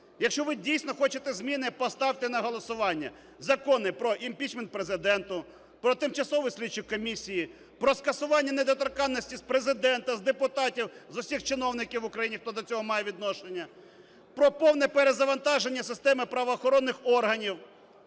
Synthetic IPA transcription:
jɐkʃt͡ʃɔʋɪdʲijsʲnɔxɔt͡ʃɪt̪ɛzʲmʲinɪpɔst̪ɑwt̪ɪnɐɦɔlˠɔsʊʋɑnʲːɐ̰ | zɐkɔnɪpɾɔʔimpʲit͡ʃment̪̚pɾezɪd̪ɛnt̪ʊ | pɾɔt̪ɪmt͡ʃɐsɔʋʊjsʲlʲit͡ʃːɪkkɔmʲisʲiji | pɾɔskɐsʊʋɑnʲːɐned̪ɔt̪ɔrkɑnːɔsʲtʲispɾe̞zɪd̪ɛnt̪ɐzd̪epʊt̪ɑtʲiwzʊsʲixt͡ʃɪnɔwnɪkʲiwʊkɾɐjinʲixt̪ɔd̪ɔt͡sʲɔɦɔmɑjɛʋʲid̪nɔʃenʲːɐ | pɾɔpɔwnɛpeɾezɐʋɐnt̪ɑʒenʲːɐsɪst̪ɛmɪpɾɐʋɔːxɔɾɔnːɪxɔrɦɐnʲiw

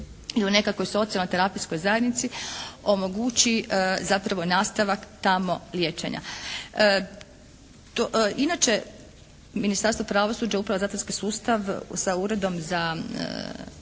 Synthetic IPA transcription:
iune̞kako̞jso̞t̪sialˠnot̪eɾapisko̞jzajed̪nit̪sio̞mo̞ɡuːt͡ɕizapɾaʋo̞naːst̪aʋakt̪amo̞ljeːt͡ʃḛɲa̰ | t̪oinat͡ʃe̞ | minist̪aɾst̪ʋo̞pɾaʋo̞suːd͡ʑaupɾaʋozaːt̪onskisuːst̪aʋsauɾe̞d̪o̞mza̰

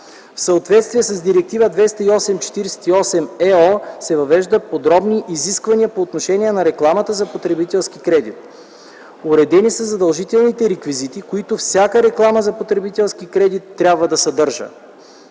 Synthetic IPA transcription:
fsɐot̪vɛt̪st̪viɛsɐzd̪iɾɛk̚t̪ivəd̪vɛst̪əiɔsɛmt͡ʃɛ̥t̪iɾɛsɛ̥t̪iɔsɛmɛɔsɛvɐvɛʒd̪əpod̪ɾɔbniʔiziskvɐniəpoːt̪noʃɛnʲiɛnɐɾɛklˠamət̪əzɐpot̪ɾɛbit̪ɛlˠsk̟ikɾɛd̪it̪̚ | oɾɛd̪ɛnisəzɐd̪ɐlˠʒit̪ɛlˠnit̪ɛɾɛkvizit̪ikoit̪ofsʲakəɾɛklˠaməzɐpot̪ɾɛbit̪ɛlˠsk̟ikɾɛd̪it̪ːɾʲabvəd̪ɐsɐd̪ɤɾʒə̰

